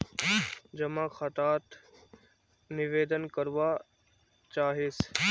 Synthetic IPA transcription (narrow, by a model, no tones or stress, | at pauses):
d͡ʑɐmãxət̪aːt̪ | nɪʋeːd̪ənkəɾʋa | t͡ɕaːɦeːs